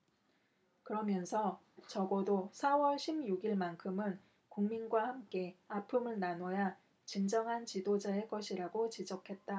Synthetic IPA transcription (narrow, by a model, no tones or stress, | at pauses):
kɯɾʌmjʌnsʰʌ | t͡ɕʌɡʌdosʰawʌɭɕʰimjuɡiɭmankʰɯmɯn | kuŋminɡwahamk͈e̞apʰɯmɯɭnanwʌja | t͡ɕimd͡ʑʌŋɦant͡ɕidod͡ʑaek͈ʌɕʰiɾaɡot͡ɕid͡ʑʌkʰe̞t̚t͈a